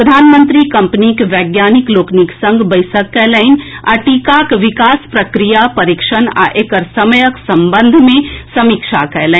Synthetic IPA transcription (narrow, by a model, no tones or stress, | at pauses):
ɾəd̪ʱaːnmə̃nt̪ɾikɐ̃mpnikʋɛːɡjaːnikloːkniksə̃ŋɡʱbəɪsəkːɛləɪna̰ʈiːkakʋɪkaːspɾɐkɾijapɐɾɪkʃəna̰ʔekəɾsɐməjəksɐ̃mbə̃nd̪ʱmẽsɐmikʃakɐlɛ